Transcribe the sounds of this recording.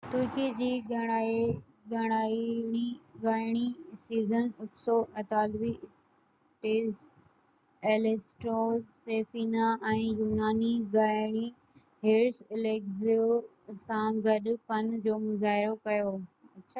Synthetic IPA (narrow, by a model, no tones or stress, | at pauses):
t̪ʊɾkid͡ʑiːɡɐɽa | ɡɐɽ̃aːɽ̃iɡaːɪɽ̃isiːzənʊt̪soʔɐt̪aːlʋi | ʈeːs | eːlesʈɾoːɾseːfiːnaɛ̃ːjuːnaːniɡaːɪɽ̃i | ɦeːɾsɪleːkzio | sãɡɐɗpɐnd͡ʑoːmʊzaːɦɪɾokɐjoːɐɕʰaː